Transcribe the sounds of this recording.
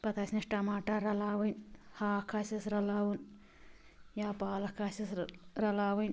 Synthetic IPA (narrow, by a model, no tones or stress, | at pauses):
pɐt̪ʰaːsnɐʂʈamaːʈaɾɐlaːʋɐnhaːkʰasɐsɾɐlaːwun | jaːpaːlɐkʰaːsɐsɾɐlaːʋɐn